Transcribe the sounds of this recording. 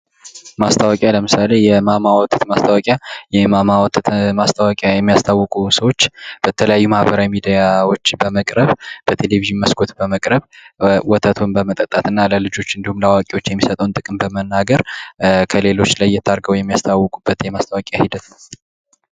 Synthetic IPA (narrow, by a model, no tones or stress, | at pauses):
mast̪ʰawɔkʼjaləmɨsalejɛmamawɔt̪ʰːɨt̪mast̪ʰawakʼjajɛmamawt̪ʰt̪mast̪ʰawakʼjajɛmːijast̪ʰawːɔkʼusəwo̞t͡ʃːb̥ət̪ʰələjajːumahbəɾawimid̪ijawo̞t͡ʃːbəməkʼɾəβb̥ət̪ʰe̞leviʒɨnməskʰo̞t̪bəməkʼɾəβwɔt̪ʰət̪ʰonbəmət̪ʼət̪ʼːat̪ɨnːaləlɨd͡ʒo̞t͡ʃːɨnd̪ihumlawakʼewo̞t͡ʃːjɛmːisət̪ʼəwnt̪ʼɨkʼɨmbəmənːaɡəɾkʰəle̞lo̞t͡ʃːlajːɛt̪ʰːaɾɡəwjɛmːijast̪ʰawːɔkʼubːət̪jɛmast̪ʰawakʼjahid̪ət̪